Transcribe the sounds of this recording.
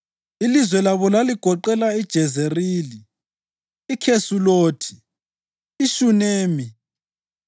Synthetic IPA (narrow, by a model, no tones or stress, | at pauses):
ilizwɛlaβɔlaliɡ̥ʱɔǃɛlaid̥ʒ̥ʱɛzeriːliː | kʰesuloːtʰi̥ː | ʃuneːmi